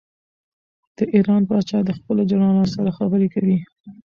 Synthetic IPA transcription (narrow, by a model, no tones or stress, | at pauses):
d̪̥əʔiɾɑnpɑt͡ʃɑd̪əxpəlod͡ʒaɾɑnosaɾaxabəɾekawi